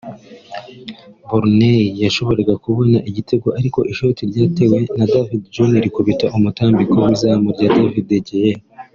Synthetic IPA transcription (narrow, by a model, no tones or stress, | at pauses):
buɾnejaʃo̞βo̞ɾeɡakuβo̞naʔiɟite̞ɡo̞ʔaɾiko̞ʔiʃo̞tiɾɟaːte̞we̞nadavidd͡ʒoniɾikuβitaʔumutaːmbikowizamuɾɟaːdavideɟeje